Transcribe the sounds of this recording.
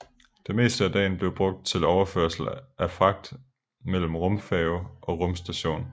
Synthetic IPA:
d̥e̝me̝̰ːsd̥əæd̥ɛ̰ːn̩b̥le̝ʊb̥ʁɔ̽ɡ̥̚d̥̚t͡sʰe̝lɒʊɐfø̰ɐsl̩ʔæfɑ̈ɡ̥̚d̥ | mel̰m̩ʁɔ̽mfɛʊʔɒ̽ʁɔ̽msd̥æɕo̝̰ːn

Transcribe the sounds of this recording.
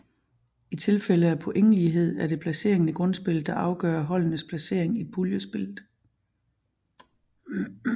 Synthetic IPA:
it͡sʰe̝lfeləæpʰɔ̽ʔeŋ̰əliɦe̝ð̞̰ˠæɐɾ̥e̝pʰlæse̝̰ɐ̰e̝ŋnəɡ̥ʁɔ̽nsb̥e̝ld̥ɑ̈ʔɑ̈ʊɡ̥ɶːɐɦɒ̽l̰nəspʰlæse̝ɐ̰e̝ŋid̚b̥uljəsb̥e̝lð̩ˠ

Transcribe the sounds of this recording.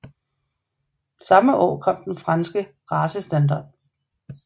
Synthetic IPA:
sɑ̈məʔɒ̰ːkʰɒ̽m̰d̥enfʁɑ̈nsɡ̥ə | ʁɑ̈ːsəsd̥ænd̥ɑ̰̈ːd̥̚

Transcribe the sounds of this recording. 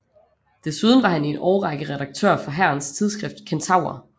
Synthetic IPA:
d̥e̝suð̞ˠn̩ʋɑ̈hæne̝nɒʊʁɑ̈ɡ̥əʁɛd̥ɑ̈ɡ̥̚t͡sʰø̰ɐ̰fɒ̽ɦæɐ̰nst͡sʰið̞ˠsɡ̥ʁɛfd̥kʰent͡sʰɑ̈ʊ̰ɐ

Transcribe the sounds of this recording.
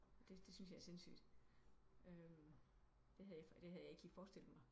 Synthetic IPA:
d̥e̝d̥e̝synsjɑ̈æɐse̝nsy̰ːd̥ | øm | d̥e̝ɦæðˠjɑd̥e̝ɦæð̩ˠjɑ̈e̝ɡ̥ʰi̥fɒːsd̥e̝l̰ð̩ˠmɑ̈ɪ

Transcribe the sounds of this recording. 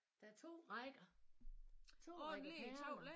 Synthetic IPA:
d̥ɑɐt͡sʰo̝̰ːʁɑɪɡ̥ɐ | t͡sʰo̝̰ːɔ̥iol

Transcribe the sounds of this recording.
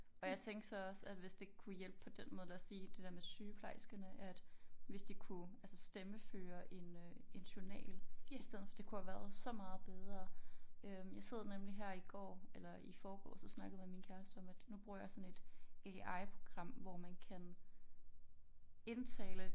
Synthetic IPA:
ɒ̽jɑ̈ɪt͡sʰeŋɡ̥sɑɒ̽sæd̥ʋe̝sd̥e̝kʰujel̰b̥̚pʰɒ̽d̥enmɔ̽ːð̞ˠlæsiːd̥e̝d̥æɐmesyːpʰlɑ̈ɪ̰sɡ̥ənəʔæd̥ʋe̝sd̥ikʰuælsəsd̥eməføːɐʔe̝nøe̝nɕuɐnɛ̰ːliisd̥eðˠn̩fɒ̽d̥e̝kʰuhæʋæɐðˠsɒ̽mɑ̈ːð̞̩ˠb̥eð̞ˠʁɐːøjɑ̈ɪse̝ð̞̰ˠɐnemliɦæɐ̰iɡ̥ɒ̰ːelɐifɒːɡ̥ɒ̰ːsɒ̽snɑ̈ɡ̥ðˠimeminkʰæɐsd̥əɒ̽mæd̥nub̥ʁuɐ̰jɑ̈ɪsɒ̽ne̝d̥eɑ̈ɪpʰʁo̝ɡ̥ʁɑ̈m̰ʋɒmænkʰæn | e̝nt͡sʰɛ̰ːlə

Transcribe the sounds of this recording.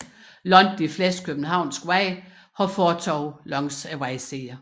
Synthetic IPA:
lɒ̽nd̥ifleskʰøb̥̚n̩ɦɑ̈ʊ̰nsɡ̥wɛɪ | hɒ̽fɒːt͡sʰɒʊ̰lɒ̽ŋsæʋaɪseːɐ

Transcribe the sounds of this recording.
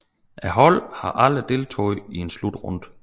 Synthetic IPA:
ʔæɦɒ̽l̰hɑ̈ʔæləd̥e̝lt͡sʰo̰ːð̩ˠie̝nslud̥ʁɔ̽n̰d̥

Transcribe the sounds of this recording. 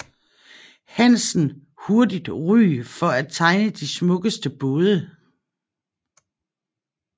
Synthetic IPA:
hæn̰sn̩ | ho̝ɐdid̥ʁy̰ːfɒ̽æ̥t͡sʰɑ̈ɪnəd̥ismɔ̽ɡ̥əsd̥əb̥oːðˠə

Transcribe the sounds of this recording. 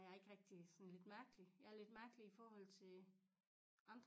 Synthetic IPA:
jɑɐe̝ɡ̥ʁɛɡ̥̚d̥isɒ̽nle̝d̥mæɐɡ̥əlijɑæɐle̝d̥mæɐɡ̥əliifɒːhɒ̽l̰t͡sʰe̝ | ɑ̈nd̥

